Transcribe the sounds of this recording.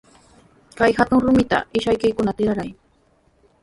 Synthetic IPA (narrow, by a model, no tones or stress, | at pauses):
kajxat̪ʊŋɾʊmɪt̪a̰ɪʃajkɪjkʊnat̪ɪɾaɾaj